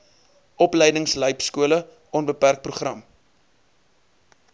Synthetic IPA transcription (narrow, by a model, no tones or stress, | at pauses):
ʔɔpləjdəŋsləjpskuələ | ʔɔnbəpærk̚pruχrɐm